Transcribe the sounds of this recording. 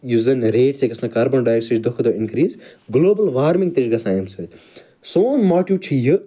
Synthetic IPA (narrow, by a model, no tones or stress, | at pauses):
juzɐnɾeːʈseːkɐsnɐkaːɾbɐnɖaːjsɨt͡ʃd̪okʰd̪oːɪnkɾiːzɡloːbɐlʋaːɾmɪ̃ŋɡ̚t̪et͡ʃɡɐsaːjmsɨ | soːnmaːʈiːt͡ʃʰijɨ